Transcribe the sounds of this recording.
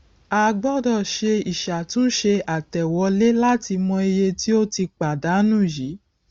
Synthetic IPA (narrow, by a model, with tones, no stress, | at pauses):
a˧ɡ͡bɔ˦˨dɔ˦˨ʃe˧i˨ʃa˨tũ˦ʃe˧a˨tɛ˨wɔ˨˦le˦la˦ti˧mɔ̃˧i˧je˧ti˦o˦ti˧k͡pa˨da˨˦nũ˦˨ji˨˦